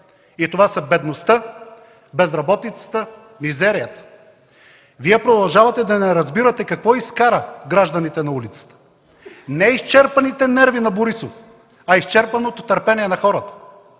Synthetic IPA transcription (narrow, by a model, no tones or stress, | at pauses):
it̪ovasɐbɛd̪nost̪ə | bɛzɾɐbɔt̪it̪sə̥t̪ə | mizɛɾijət̪ə̥ | viɛpɾod̪ɐlˠʒavɐt̪ɛd̪ɐnɛɾɐzbiɾɐt̪ɛkɐkvɔiskaɾəɡɾaʒd̪ɐnit̪ɛnɐulit̪sə̥t̪ə̥ | nɛist͡ʃɛɾpɐnit̪ɛnɛɾvinɐboɾisof | ɐist͡ʃɛɾpɐnot̪ot̪ɐɾpɛniɛnɐxɔɾət̪ə̥